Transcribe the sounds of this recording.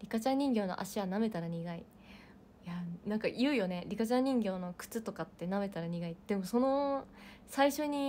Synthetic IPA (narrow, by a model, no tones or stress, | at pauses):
ɾʲikat͡ɕãɲ̟ɲ̟ĩŋɡʲo̞ːnoʔa̰ɕiβaname̞t̪aɾaɲ̟iɡai | janãŋkajɯ̟ːjo̞ne̞ɾʲikat͡ɕãɲ̟ːĩŋɡʲo̞ːno̞kɯ̟̥t͡sɨt̪o̞kat̪ːe̞name̞t̪aɾaɲ̟iɡaid̪̥e̞mo̞so̞no̞ | saiɕo̞ɲ̟i